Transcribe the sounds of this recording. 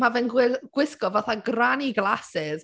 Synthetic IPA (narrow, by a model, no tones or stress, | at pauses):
mavɛnɡwɪɡ̥wɪskɔvaθaɡraniɡlˠasɪð